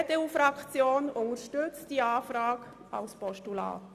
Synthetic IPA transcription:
teuːfɾɑkt͡sjoːnʊnəɾʃtʏt͡st̚d̥iːaːfɾaːk | aʊspɔʃtula̰ːt

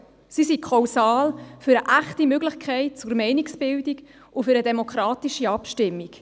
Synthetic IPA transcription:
sisikʰχɑwsɑːlfyɾəʔæχtimøɡlɪχkʰɛɪt̚t͡sʊrmɛɪniksb̥ɪldik | ʊfʏɾədɛmokχɾɑːtiʃiɑpʃtɪmːik

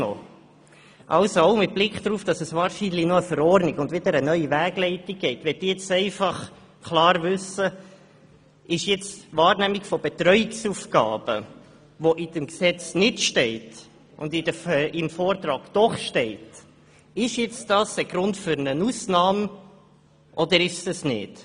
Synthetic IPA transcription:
o̰ | ʔɑlsooʊmɪt̚b̥lɪkχd̥̪ɾuːfd̥ɑsəsʋɑːɾʃinlinɔəfəɾɔːɾniɡʊndʋɪd̪əɾənœʏivæːɡ̥lɛɪtiɡ̚ɡ̥ɛɪtʋɛd̥̪iːjɛt͡sɛɪfɑχ | kʰlɑːɾvʏsə | ɪʃjɛt͡svɑːɾnæːmikfɔb̥ɛt̪ɾœʏɪksuːfɡɑ̰ːb̥ə̰ | ʋɔʔɪd̥əmksɛt͡snɪtʃtɛɪt | ʊ̰ndɪdəɪmfɔːrt̪ɾɑːɡd̪̥ɔχʃtɛɪt | ɪʃjɛt͡sd̥ɑsəɡ̥ɾʊntfʏɾnənusnɑːm | ʔɔd̪əɾɪʃsəsnɪ̰t

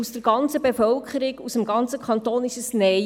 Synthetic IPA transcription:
usd̥əɾɡ̥ɑnt͡səbefœlkχəɾɪɡusəmɡɑnt͡səkʰχɑnt̪oːnɪʃəsnɛ

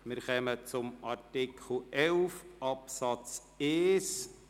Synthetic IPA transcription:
mɪɾχɛmət͡sʊmɑɾtɪkʰl̩ʔɛlfʔɑpsɑt͡s | eːs

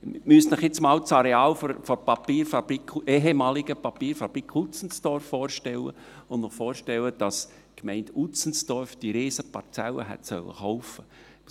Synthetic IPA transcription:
mystnəχjɪt͡smɑːlt͡sɑɾeɑːlfɔfɔpɑpiːɾfɑb̥ɾikeːɦemɑːliɡ̥əpɑpiːɾfɑb̥ɾikʰut͡sn̩sd̥ɔɾfːɔːɾʃtɛlə̰ | ʊndnɔχfɔːɾʃtɛləd̥ɑs | kmɛɪndut͡sn̩sd̥ɔɾfd̥iɾeːsəpɑɾt͡sɛlːə̰ɦɛ̰tsœ̰lːə̰χɔʊfə

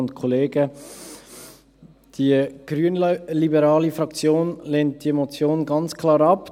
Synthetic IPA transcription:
ʊntkʰɔleːɡə | d̥iɡ̥ɾyənlibəɾɑːlifɾɑkt͡sjoːnleːnt̚d̥imot͡sjoːnɡɑnt͡skʰlɑːɾɑp

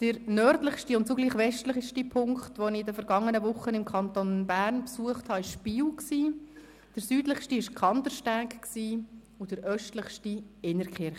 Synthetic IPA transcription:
d̥əɾnœɾdləχʃtiʊnt̚t͡soɡliːχʋɛʃtləχʃtipʰʊŋkχtʋonidəfəɾɡɑŋːənəvʊχːənɪmkʰɑntonbæːɾnpsuəχthɑːɪʃpiːwksiː | d̥əɾsyːdləχʃtiɪʃkʰɑntəɾʃtæːkksiː | ʊd̥əɾʔœʃtləχʃtiɪnəɾkχɪɾχ

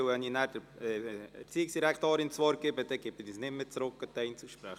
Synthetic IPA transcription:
wvɛniːnæːɾd̥əɾɛɛ̰ɾt͡siːɪksd̥iɾækt̪oːɾɪnt͡sʋɔːɾɡ̥ɪbəd̥ɛɡ̥ɪpənisnɪtmɪt͡sɾʊkːət̪ɛɪnt͡suʃpɾæχ

